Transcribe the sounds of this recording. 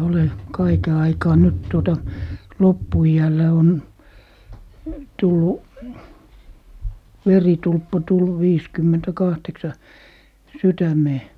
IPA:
ole kɑike ɑikɑː nyt tuotɑ lopːuiælːæ on tulːu ʋeritulpːɑ tulːu ʋiːskymːentækɑhteksɑ sytæmeː

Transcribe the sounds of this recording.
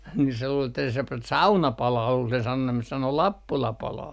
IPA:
ni se luːl etːæ se p sɑunɑ pɑlɑː kuːl sen sɑnonːeːn sɑno lɑpːulɑ pɑlɑː

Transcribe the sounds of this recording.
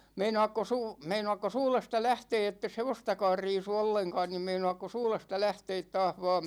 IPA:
meinoɑkːos uː meinoɑkːos uːlestɑ læhteː etːes heʋostɑkɑːr riːsu olːeŋkɑːn nim meinoɑkːos uːlestɑ læhteːt tɑːh ʋɑːm

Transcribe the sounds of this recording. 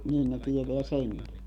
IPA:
niːn ne tieteæ seŋki

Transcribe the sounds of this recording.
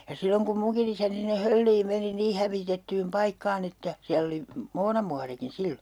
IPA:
jɑ silːoŋ kum muŋkin isæni sinːe hølːiːm meni niː hæʋitetːyːm pɑikːɑːn etːæ siælː oli moːnɑmuɑrikin̞ silːo

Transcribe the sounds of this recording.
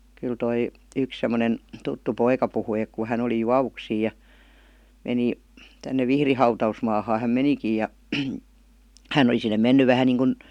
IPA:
kyl toi yks semːonen tutːu poikɑ puhui ek ku hæn oli juɑʋuksiːj̆ jɑ meni tænːe ʋihri hɑutɑusmɑːhɑː hæm menikij̆ jɑ hæn oli sinːe menːy ʋæhæn niːŋkun

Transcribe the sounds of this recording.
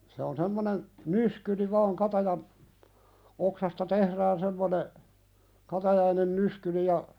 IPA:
se on semːonen nyskyri ʋɑːŋ kɑtɑjɑn oksɑstɑ tehræːn semːone kɑtɑjɑinen nyskyli jɑ

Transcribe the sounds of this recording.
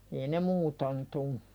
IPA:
ei ne muːton tu

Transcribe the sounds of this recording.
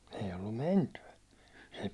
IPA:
ei olːum mentyæ se

